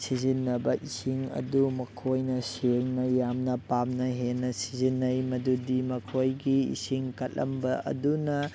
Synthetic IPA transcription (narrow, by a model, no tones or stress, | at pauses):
sizinːɐbɐʔisiŋɐ̰dumɐkʰojnɐseŋnɐjamnɐpamnɐɦenːɐsizinːɐjmɐdudimɐkʰojɡiḭsiŋkɐt̚lʔɐ̰mbɐɐ̰dunɐ